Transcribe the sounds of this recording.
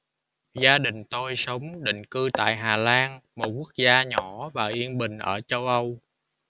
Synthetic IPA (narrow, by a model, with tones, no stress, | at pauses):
zaː˧ɗï˨˩ŋ̟t̪o˧jsə˨˦wŋ͡mɗḭ̈˧˨ŋ̟kɨ˧t̪a̰ː˧˨jɦaː˨˩laː˧nmo˨˩ku˦˥ək̚zaː˧ɲɔ˧˩˦vaː˨˩ʔi˧ənɓï˨˩ŋ̟ʔəː˧˩t͡ɕə˧wʔə˧w